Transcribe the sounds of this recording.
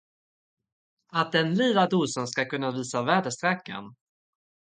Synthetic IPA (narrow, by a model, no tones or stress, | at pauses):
at̪̚d̪ɛnliːlad̪uːsənskakɵnːaviːsavæːɖəst̪ɾɛkːa̰n